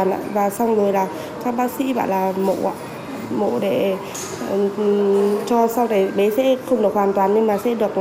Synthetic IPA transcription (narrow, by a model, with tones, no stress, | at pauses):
nʔa̰ː˧˨vaː˨˩sa˧wŋ͡mzo˨˩jlaː˨˩ | ka˧˦˥k̚ɓaː˦˥k̚sḭ˧˥ɓa̰ː˧˨nlaː˨˩mo̰˧˨a̰˧˨ | mo̰˧˨ɗe˧˩˨ | t͡ɕɔ˧sa˧wt̪a˨˩jɓe˨˦sɛ̰˧˥xə˧wŋ͡mɗɨ˨˩ək̚hwaː˨˩nt̪waː˨˩nːɲe˧ŋmaː˨˩sɛ̰˧˥ɗɨ˨˩ək̚